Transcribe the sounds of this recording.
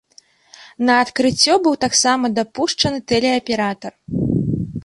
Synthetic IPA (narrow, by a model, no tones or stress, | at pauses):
nɐːt̪kɾɨt͡sʲːɔbɨwt̪aksamɐd̪apuʂt͡ʂɐnɨt̪ɛlʲɛɐpʲɛɾat̪ɐr